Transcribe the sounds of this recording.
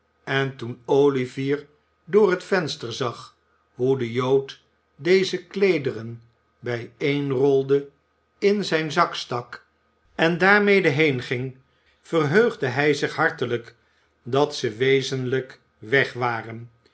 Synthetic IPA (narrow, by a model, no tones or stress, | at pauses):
ɛntunowliviːɹ | dʊːrətfɛnstəɹzɑχ | ɦudəjowt | dejzəklejdərən | bɛjejnrɔlˠdə | ɪnzɛjnzɑkstɑk | ɛndaːɹmejdəɦejnχɪŋ | vərɦøɥχdəɦɛjzɪχɦɑɹtələk | dɑtsəʋejzənlək | ʋɛχʋaːrən